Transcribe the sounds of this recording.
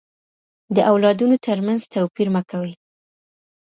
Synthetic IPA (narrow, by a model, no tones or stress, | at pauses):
d̪əʔawlɑd̪unot̪əɾmanzt̪awpiɾməkawəj